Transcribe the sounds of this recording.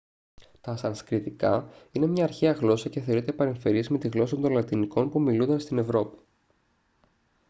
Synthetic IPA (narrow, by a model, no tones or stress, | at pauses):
t̪ɐsɐnskɾit̪ikɐine̞mɲɐːɾçeɐɣlo̞sɐce̞θe̞oɾit̪epɐɾe̞ɱfe̞ɾie̞zme̞t̪iɣlo̞sɐont̪o̞nlɐt̪iniko̞npumilund̪ɐnst̪ine̞vɾo̞pi̥